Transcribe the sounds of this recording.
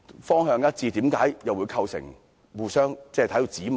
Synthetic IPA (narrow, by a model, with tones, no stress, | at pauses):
fɔː˥ŋhœː˧ŋjɐ˥t̚t͡siː˧t̪iː˨˥mkaː˨˥jjɐ˨wuː˨˧jkʰɐ˧wsɪ̰˨˩ŋ | wuː˨sœː˥ŋt͡sɛː˥˧t̪ʰɐ˥t̪o˧t͡siː˨˥m